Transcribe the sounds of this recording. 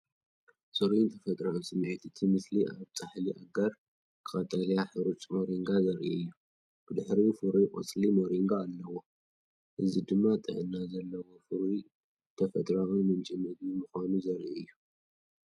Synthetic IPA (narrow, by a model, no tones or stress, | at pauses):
sɨɾint̪ʰɐfɐt̪ʼɾaunsɨmːʕit̪ɨt̪ʰimɨsliʔaβt͡s̪ʼaħliʔaɡaɾ | kʰɨʔʼɐt̪ʼɐljaħɨɾɨt͡ʃʼmoɾiŋɡazɐɾʔiɨjːu | b̥ɨd̪ɨħɾifɨɾikʼɨ̰t͡sʼlimoɾiŋɡaːlːɐwo | ʔɨzid̪ɨmːat̪ʼɨ̰ʕɨnːazɐlːɐwofɨɾi | t̪ʰɐfɐt̪ʼɾawunmɨnt͡ʃʼimɨd̪imɨxanuzɐɾʔiɨjːu